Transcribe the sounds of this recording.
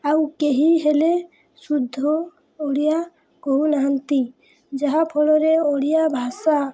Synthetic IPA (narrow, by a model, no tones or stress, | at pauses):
awkeɦiɦɛle | sud̪ʱːɔ | oɽija | kounaɦant̪i | d͡ʒaɦapʰɔɽɔɾɛoɽijabʱasa